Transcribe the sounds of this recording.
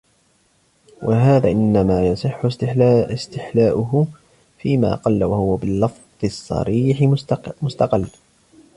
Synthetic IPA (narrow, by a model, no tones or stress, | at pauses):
wʔaɦaːðaːʔɪnːamaːjɑsˤɨħːʊɪst̪ɪħlaːʔʊɦʊ | fiːma̰ːqɑlːawahʊwabɪlːɑfðˤɨsˤːɑ̰ɾiːħɪmʊst̪ɑqɪlː